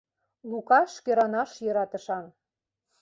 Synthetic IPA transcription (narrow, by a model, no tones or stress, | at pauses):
lukɑʃkĕɾɑnɑʃjɤ̆ɾɑt̪ə̆ʃɑn